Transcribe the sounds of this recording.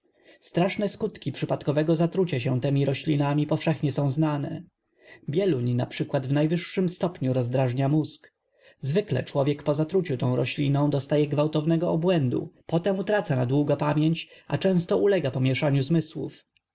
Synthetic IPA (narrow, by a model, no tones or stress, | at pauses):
st̪ɾaʂnɛskut̪kʲipʂɘpat̪kɔvɛɡɔzat̪ɾut͡ɕaɕ̬ɛ̃t̪ɛmʲiɾɔɕlʲinamʲipɔfʂɛxɲɛsɔ̃w̃znanɛ̰ | bʲjɛluɲnapʂɘkwad̪vnajvɘʂːɘmst̪ɔpɲuɾɔzd̪ɾaʐɲamusk | zvɘklɛ̰t͡ʂwɔvʲjɛkpɔzat̪ɾut͡ɕut̪ɔ̃w̃ɾɔɕlʲinɔ̃w̃d̪ɔst̪ajɛɡvawt̪ɔvnɛɡɔɔbwɛnd̪ṵpɔt̪ɛmut̪ɾat̪sanad̪wuɡapamʲjeɲt͡ɕa̰t͡ʂɛ̃w̃st̪ɔʔulɛɡapɔmʲjɛʂaɲuzmɘswṵf